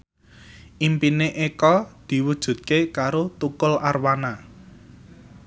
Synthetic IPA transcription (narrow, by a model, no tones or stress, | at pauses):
ʔimpineʔekɔd̪̥i̤wud̥ʒ̥ṳt̪̚kekaɾot̪ukʊlarwana